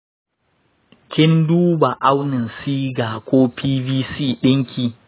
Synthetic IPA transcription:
kʲɪ˦nduː˦ba˨ʔa˦wnɪ˨nsiː˦ɡaː˨kʷoː˦pʰiː˦biː˦siː˦˨ɗɪ˦ŋkʲiː˨

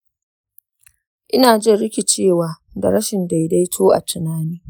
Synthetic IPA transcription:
ʔɪ˦naː˨d͡ʒɪ˦˨ɽɪ˦kʲi˨t͡ʃeː˦˨waː˨˦ | dɐ̰˨ɾɐ˦ʃɪ˨nda˨jda˦jtʰoː˦ʔa̰˨tɪ˨naː˦niː˦

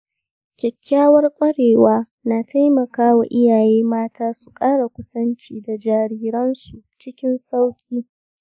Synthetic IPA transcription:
kʲɛ˨kʲːaː˦wɐ˦rkʷʼɐ˦ɽeː˨waː˦ | naː˨tʰa˦jmɐ˨kaː˦wa˨ʔɪ˦jaː˨jeː˦maː˦taː˦su˨kʼaː˦ɽa˨kʷʊ˦sɐ˦nt͡ʃiː˦˨da˨d͡ʒaː˨ɾiː˦ɾɐ˦nsu˨t͡ʃɪ˦kʲɪ˦nsa˦wkʲʼiː˦

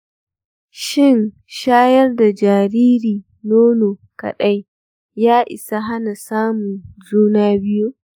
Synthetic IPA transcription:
ʃɪ˦˨n | ʃaː˦jɐ˦rda˨d͡ʒaː˨ɾiː˦ɾiː˨ | noː˦noː˨ka̰˨ɗa˦j | jaː˦ʔɪ̰˨sa˦ɦa˦na˨saː˦mʊ˨nzuː˦naː˦bɪ˦ju˦

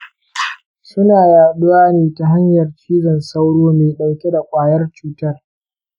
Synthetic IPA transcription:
sʊ˦naː˨jaː˨ɗʊ˦waː˦neː˨ta˨ɦa˦ɲjɐ˨rt͡ʃiː˦zɐ˨nsa˦wɽoː˦meː˨ɗa˨wkʲe˦da˨kʷʼaː˨jɐ˦rt͡ʃuː˦tɐ˦r

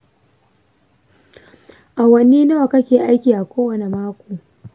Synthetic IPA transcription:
ʔa˨wɐ˨niː˦na˦wa˨kɐ˦kʲeː˨ʔa˦jkʲiː˨ʔa˨kʷoː˦wɐ˨ne˨maː˦kʷoː˨

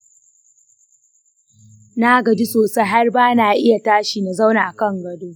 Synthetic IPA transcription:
na˦ɡɐ˨d͡ʒi˦soː˨sa˦jɦa˦rbaː˦naː˨ʔɪ˦ja˨taː˦ʃiː˨na˨za˦wna˨ʔa˨kɐ˦˨ŋɡɐ˨doː˦

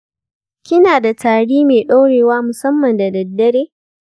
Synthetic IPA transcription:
kʲɪ˦naː˨da˨taː˨ɽiː˦meː˨ɗa˦ɽeː˨waː˦mʊ˨sɐ˦mːɐ˨nda˨dɐ˨dːɐ˦ɽeː˦

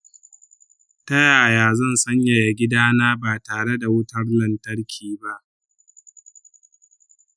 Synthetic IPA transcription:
tɐ˦jaː˨jaː˨zɐ˦˨nsɐ˦ɲja˨ja˨ɡʲɪ˦daː˦naː˦baː˨taː˨ɽe˦da˨wʊ˦tɐ˦rnɐ˨ntɐ˦ɽkʲʰiː˨ba˦ʔ

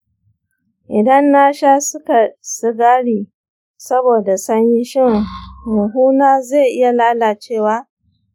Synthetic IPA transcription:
ʔɪ˨dɐ˦nːa˦ʃaː˦sʊ˦ka˨sɪ˦ɡaː˦ɽiː˨ | sɐ˦boː˨da˨sɐ˦ɲji˦ʃɪ˦˨ŋmʊ˨ɦuː˦naː˦za˦˨ʔɪ˦ja˨laː˦la˨t͡ʃeː˦˨waː˦

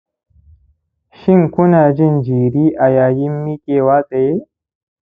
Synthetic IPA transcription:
ʃɪ˦ŋkʷʊ˦naː˨d͡ʒɪ˦nd͡ʒiː˨ɾiː˦ʔa˨jaː˨jɪ˦mːi˦kʲʼeː˨waː˦kʼe˨je˦

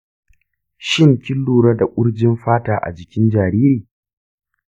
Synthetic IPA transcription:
ʃɪ˦ŋkʲɪ˦lːuː˨ɽa˦da˨kʷʼʊ˦ɽd͡ʒɪ˦mɸaː˦taː˨ʔa̰˨d͡ʒɪ˨kʲɪ˦nd͡ʒaː˨ɾiː˦ɾiː˨

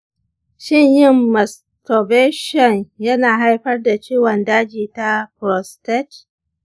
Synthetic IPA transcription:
ʃɪ˦ɲjɪ˦mːɐ˨s | tɔ˨beː˦ʃɔ˨njɐ˦naː˨ɦa˦jɸɐ˦rda˨t͡ʃiː˦wɔ˨ndaː˦d͡ʒiː˨ta˦pɾɔ˨stɛ˦t͡ʃ

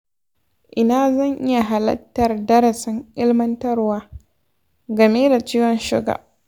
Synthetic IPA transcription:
ʔɪ˨naː˦zɐ˦˨ŋʔɪ˦ja˨ɦa˨lɐ̰˦tːɐ˨rdɐ˦ɾɐ˨sɪ˦ŋʔɪ˦lmɐ˦ntɐ˦rwaː˦ | ɡɐ˨meː˦da˨t͡ʃiː˦wɔ˨nʃɪ̰˦ɡa̰˨

